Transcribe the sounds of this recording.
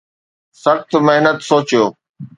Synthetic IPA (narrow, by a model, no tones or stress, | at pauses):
sɐxt̪meɦnət̪soːt͡ɕijoː